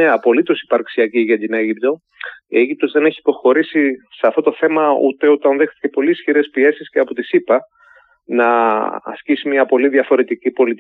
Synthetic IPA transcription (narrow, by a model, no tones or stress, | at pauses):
eɐpo̞lit̪o̞si̥pɐɾksiɐciʝɐt̪ine̞ʝipt̪o̞ | ieʝip̚t̪o̞zðe̞ne̞çiːpo̞xo̞ɾisiseɐft̪o̞t̪o̞θe̞mɐṵt̪e̞ut̪ɐnðext̪i̥cepo̞liːsçiɾe̞spie̞sisceɐpo̞t̪isipɐ | nɐɐ̰scisimiɐpo̞liðʝɐfo̞ɾe̞t̪icipo̞lit̪i